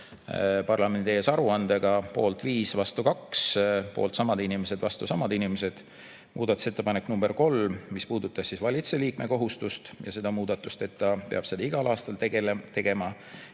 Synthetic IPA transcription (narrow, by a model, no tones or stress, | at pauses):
pɑrlɑme̞nd̪eesɑɾuɑnd̪eɡ̥ɑpo̞̰ːlt̪viːsvɑst̪ukɑkspo̞̰ːlt̪sɑmɑd̪inime̞se̞d̪̥vɑst̪usɑmɑd̪inimese̞d̪̥ | mṵːd̪̥ɑt̪ːˑu̥se̞t̪ːe̞pɑnekːnumb̥e̞rko̞lmispuːd̪̥ut̪ːˑɑssisvɑlʲit̪seliːkme̞ko̞ɦust̪ust̪jɑse̞d̪̥ɑmuːd̪̥ɑt̪ːˑust̪e̞t̪ːɑpe̞ɑb̥se̞d̪ɑiɡ̥ɑlɑːst̪ɑlet̪e̞ɡ̥e̞mɑ